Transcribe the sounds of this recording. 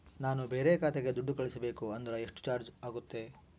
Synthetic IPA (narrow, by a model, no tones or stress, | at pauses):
naːnubeːɾekaːt̪eɡed̪uɖːukɐɭisɐbeːkuɐnd̪ɐɾɐeʂʈu̥t͡ʃaːɾd͡ʒaːɡut̪ːe̞